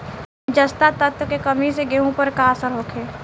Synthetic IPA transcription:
d͡ʒəst̪at̪ət̪kekəmiseɡeɦõpəɾkasəɾɦoːkʰeː

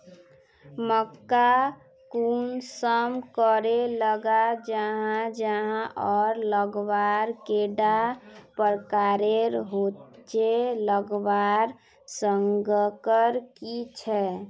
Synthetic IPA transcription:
məkːa | kunsəmkəɾeləɡad͡ʒəɦãd͡ʒəɦãʔɔɾləɡbaɾkeɖapəɾkaɾeɾɦot͡ʃeləɡbaɾ | səŋɡəkəɾkit͡ʃʰɛ

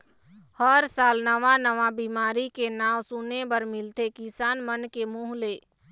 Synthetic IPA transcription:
həɾsaːlnəʋãnəʋabiːmaːɾikenaːwsunebəɾmɪlt̪ekɪsaːnmənkemuːɦleː

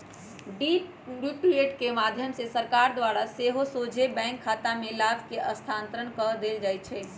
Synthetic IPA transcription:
ɖi | njuʈɾieʈkemad̪ʱjəmsesəɾkaɾd̪waɾaseɦosod͡ʒʱebɛ̃ŋkʰːat̪amelabkeʔəst̪ʰant̪ɾəɳkəd̪eld͡ʒajt͡ʃʰɛ

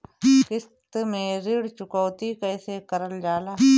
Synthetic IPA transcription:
kɪs | t̪mẽːɾɪɽt͡ʃʊkəːt̪ikəjsekəɾəld͡ʒaːlaː

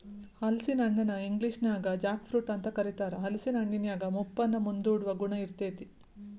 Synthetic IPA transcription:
hɐlsinɐɳːɐnɐiŋɡliʂnjaːɡɐd͡ʒaːkpʰɾuːʈɐnt̪ɐkɐɾit̪aːɾɐɦɐlsinɐɳːinjaːɡɐmupːɐnːɐmund̪uːɽuʋɐɡuɳɐiɾt̪eːt̪i

